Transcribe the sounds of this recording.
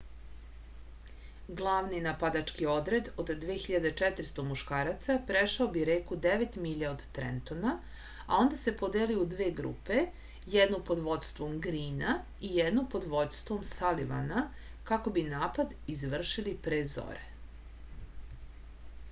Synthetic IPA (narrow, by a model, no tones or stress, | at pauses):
ɡlˠaːʋninapad̪at͡ʃkio̞d̪ɾe̞d̪o̞d̪ːʋeːxiʎad̪et͡ʃɛt̪ɾ̩st̪omuʃkaːɾat̪sapɾeʃaobiɾeːkud̪eʋet̪miʎaod̪t̪ɾḛnt̪o̞na | a̰o̞nd̪ase̞pod̪eliud̪ʋeːɡɾṵːpe̞ | jed̪nopo̞d̪ʋo̞t̪st̪ʋo̞mɡɾiːna | ijed̪nopo̞d̪ʋo̞d̪st̪vomsaliʋa̰na | kako̞binaːpad̪izʋr̩ʃilipɾeːzo̰ɾe